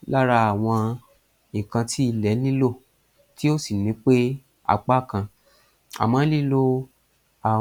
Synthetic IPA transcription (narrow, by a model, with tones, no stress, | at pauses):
la˦ɾa˧a˨w̃ɔ̃˧ | ĩ˨kã˧tʰi˦i˧lɛ˨˦nĩ˦lo˦˨ | ti˦o˦si˨nĩ˨˦k͡pe˦ | a̰˦˨k͡pa˦˨kã˧ | a̰˨mã˨˦li˦lo˦ | a˨